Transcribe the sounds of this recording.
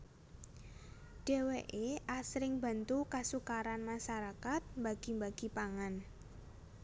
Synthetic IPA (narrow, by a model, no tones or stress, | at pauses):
ɖ̥ɛ̤weʔeʔasɾɪŋba̤nt̪ukasukaɾanmaʃaɾakat̪̚mbaɡ̥i̤mbaɡ̥i̤paŋan